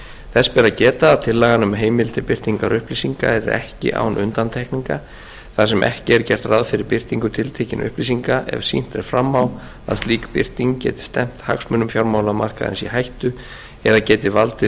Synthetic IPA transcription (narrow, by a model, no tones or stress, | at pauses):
θɛsːpɛɾacɛːt̪aːðt̪ʰɪlːaɣanʏmɦeːjmɪlt̪ʰɪpɪr̥t̪iŋkaɾʏhpliːsiŋka̰ɛɾɛ̰hcɪ̰ʔa̰wnʔʏnt̪ant̪ʰɛhkniŋka | θasɛmʔɛ̰hcɪɛɾcɛr̥t̪raðfɪɾɪɾpɪr̥t̪iŋkʏt̪ʰɪlt̪ʰeːcɪnʔʏ̰hpliːsiŋkaʔɛ̰v̥sḭn̥t̪ɛɾ̥fɾamːaw | a̰ðst̪liːkpɪr̥t̪iŋcɛ̰ːt̪ɪ̥st̪ɛm̥t̪ha̰ksmʏnʏmfjawɾmaːwlamar̥kaðɛ̰nsihajht̪ʏ | ɛðacɛːt̪ɪvalt̪ɪ